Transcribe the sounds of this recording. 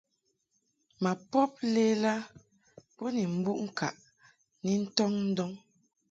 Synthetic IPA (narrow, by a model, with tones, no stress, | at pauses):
ma˨pɔ˦p̚le˦la˦ | bɔ˦ni˨m̩˦bu˦ʔŋ̩˦˨ka̰˨ʔ | ni˦n̩˦tɔ˦ŋn̩˦dɔ˦ŋ